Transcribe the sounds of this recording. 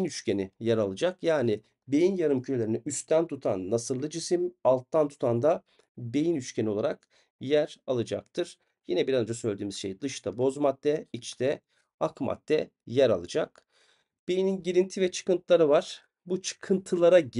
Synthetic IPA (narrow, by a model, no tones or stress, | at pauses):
nyt͡ʃcenijæɾalˠɯd͡ʒakjaːnɪ | be̞jinjaɾɯmcʰylelʲeɾinɛyst̪ʰænt̪ʰut̪ʰa̰nːasɯɾlˠɯd͡ʒisimalˠt̪̚ːant̪ʰu̥t̪ʰand̪a | be̞jinyt͡ʃcʰʲenio̞lˠaɾak̚ | jæɾalˠɯd͡ʒa̰k̚t̪ʰɯɾ̥ | jinɛbiɾazɯnd͡ʒasølʲed̪yːmizʃe̞̰jd̪ɯʃt̪ʰabo̞zmat̪ːɛit͡ʃt̪ʰɛ | akma̰t̪ːɛ | jæɾa̰lˠɯd͡ʒak | b̥ejininɟiɾint̪ʰivɛt͡ʃʰɯ̥kɯnt̪ʰlˠaɾɯvaɾ̥ | but͡ʃʰɯ̥kʰɯnt̪ʰɯlˠaɾaɟ